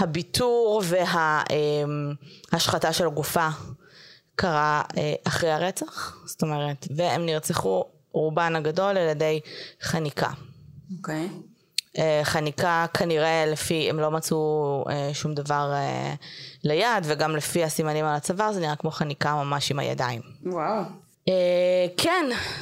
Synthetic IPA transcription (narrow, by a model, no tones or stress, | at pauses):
habitʰuʁve̞ɦaemhaʃχataʃe̞lɡufa | kaʁaeʔaχʁejaʁet͡saχst̪o̞meʁetveemniʁt͡seχu | ʁubanaɡado̞leljadejχanikʰa̰okej | eχanikakʰaniʁe̞lefiḛmlo̞mat͡sueʃumd̪avaʁe | lejadveɡamlefihasimanimalat͡savaʁzeniʁakmo̞χanikamamaʃima̰ja̰daimwaw | ekʰen